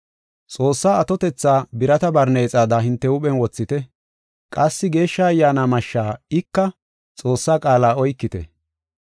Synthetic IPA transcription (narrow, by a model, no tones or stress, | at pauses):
t͡sʼo̞ːsːaːɐt̪ɔt̪ɛt͡sːaːbɪɾɐt̪ɐbɐɾne̞ːt͡sʼaːd̪ɐɦɪnt̪ːɛʊɓɛnwɔt͡sːɪt̪ɛ | kʼɐsːɪɡe̞ːʃːaːɐjːaːnaːmɐʃːaːɪkːɐ | t͡sʼo̞ːsːaːkʼaːlaːɔjkːɪt̪ɛ̰